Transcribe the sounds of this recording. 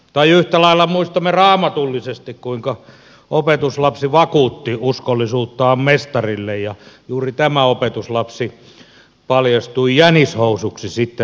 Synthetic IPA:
t̪ɑiyht̪ælɑilːɑmuist̪ɑmːerɑːmɑt̪ulːisest̪ikkuiŋkɑ | opet̪uslɑpsiʋɑkuːt̪ːiuskolːisuːt̪ːɑːmmest̪ɑrilːejjɑjuːrit̪æmæopet̪uslɑpsi | pɑljɑst̪uijænishousuksisit̪ːe

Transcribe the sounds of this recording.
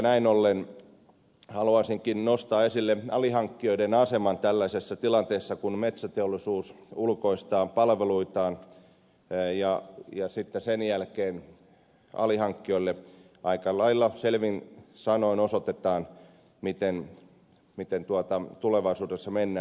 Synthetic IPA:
næinolːen | hɑluɑsiŋkinnost̪ɑːesilːeɑlihɑŋkːioidenɑsemɑnt̪ælːæsesːɑt̪ilɑnt̪eːsːɑkunmet̪sæt̪eolisuːsulkoist̪ɑːmpɑlʋeluit̪ɑːn | jɑjɑsit̪ːesenjælkeːn | ɑ̰lihɑŋkːioilːe | ɑikɑlːɑilːɑselʋinsɑnoinosot̪et̪ɑːn | mit̪en | mit̪ent̪uɑt̪ɑt̪uleʋɑisuːdesːɑmenːæː

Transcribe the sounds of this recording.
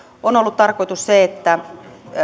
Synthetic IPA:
onolːut̪t̪ɑrkoit̪usseet̪ːæ

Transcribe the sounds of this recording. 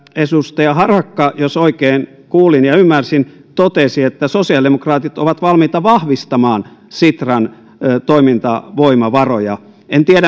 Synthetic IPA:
esust̪ɑjɑhɑrɑkːɑjosoikeːn | kuːlinjɑymːærsint̪ot̪esiet̪ːæsosiɑldemokrɑːt̪it̪oʋɑt̪ʋɑlmiːt̪ɑʋɑhʋist̪ɑmɑːnsit̪rɑn | t̪oimint̪ɑ̰ʋoimɑʋɑrojɑ | ent̪iæɾæ

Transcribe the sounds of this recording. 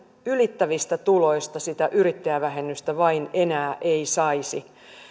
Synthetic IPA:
ylit̪ːæʋist̪æt̪ulo̞ist̪ɑsit̪æʔyɾit̪ːejæʋæɦenːyst̪æʋɑinenæːʔeisɑisi

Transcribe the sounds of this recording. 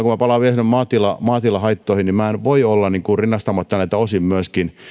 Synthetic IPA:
kumæpɑlɑːʋielsinːemmɑːt̪ilɑmɑːt̪ilɑhɑit̪ːoˑihinnimmæenʋoiolːɑnniːŋkurinːɑst̪ɑmːɑt̪ːɑnæit̪ːæosimmyæskin

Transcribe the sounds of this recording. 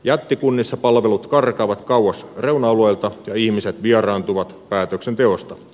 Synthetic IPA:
jæt̪ːikunːisːɑpɑlʋelut̪kɑrkɑːʋɑt̪kɑwwɑsreunɑolojlt̪ɑjɑihmiset̪ʋiɑrɑːnt̪uʋɑt̪pæːt̪øksent̪eost̪ɑ

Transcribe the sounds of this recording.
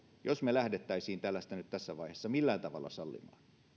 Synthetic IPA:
josmelæhdet̪ːæisiːnt̪ælːæst̪ænyt̪t̪æsːæʋɑihesːɑmilːæːnt̪ɑʋɑ̰lːɑ̰sɑlːḭmɑ̰ːn

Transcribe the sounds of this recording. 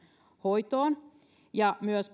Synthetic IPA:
hoit̪oːn | jɑmyøsp

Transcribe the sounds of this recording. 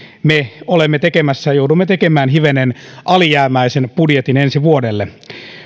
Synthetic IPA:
meolemːet̪ekemæsːæjɑjoudumːet̪ekemæːnhiʋenenʔɑlijæːmæisenpudjet̪inensiʋuodelːe

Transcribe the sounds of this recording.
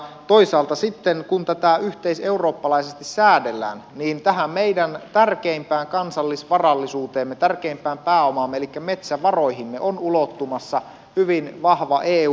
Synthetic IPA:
t̪oisɑːlt̪ɑsit̪ːenkunt̪æt̪æyht̪eise̞uroːpːɑlɑisest̪issæːdelːæ̰ːnniːnt̪æɦæmmeidænt̪ærkeimpæːŋkɑnsɑlːisʋɑrɑlːisuːt̪eːmːet̪ærkeimpæːmpæːomɑmːeelikːæmet̪sæʋɑrojhimːeʔonulot̪ːumɑsːɑ | hyʋinʋɑhʋɑʔeː

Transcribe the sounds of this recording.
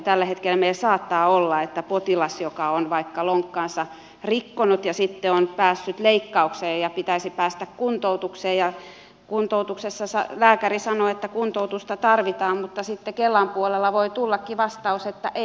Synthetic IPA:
t̪ælːæhet̪kelːmeilsɑːt̪ːɑːolːɑet̪ːæpot̪ilɑsjokɑonʋɑikːɑloŋkːɑːnsɑ | rikːonut̪jɑsit̪ːeonpæːsːyt̪leikːɑukseːjjɑpit̪æisipæːst̪ækkunt̪out̪ukseːjjɑ | kunt̪out̪uksesːɑsɑ̰læːkærisɑnoet̪ːækunt̪out̪ust̪ɑt̪ɑrʋit̪ɑːmmut̪ːɑsit̪ːekelːɑmpuolelːɑʋoit̪ulːɑkːiʋɑst̪ɑuset̪ːæʔe

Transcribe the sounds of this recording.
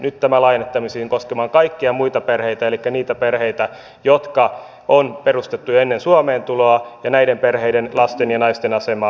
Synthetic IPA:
nyt̪t̪æmælɑijnet̪ːɑmisiːiŋkoskemɑːŋkɑikːiɑmuit̪ɑperheit̪æelikːæniːt̪æperheit̪æ | jot̪kɑ | onperust̪et̪ːuenːensuɑmeːnt̪uloɑjɑnæidemperheidenlɑst̪enjɑnɑist̪enɑsemɑː

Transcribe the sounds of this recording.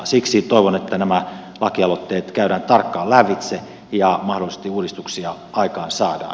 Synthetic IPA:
siksit̪oiʋonet̪ːænæmæ | lɑkiɑlot̪ːeːt̪kæyɾæːnt̪ɑrkːɑːlæʋːit̪se | jɑmɑhdolise̥st̪iuːdist̪uksiɑ | ɑikɑːnsɑːdɑ̰ː

